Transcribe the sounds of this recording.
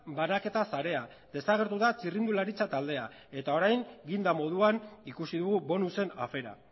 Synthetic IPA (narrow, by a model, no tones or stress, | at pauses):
banake̞t̪asaɾe̞a | d̪e̞saɣ̞e̞ɾt̪uðat͡sirind̪ulaɾit͡sat̪ald̪e̞a | e̞t̪ao̞ɾajŋɡind̪amo̞ð̞uanikusiðuɣuβo̞nuse̞na̰fe̞ɾa̰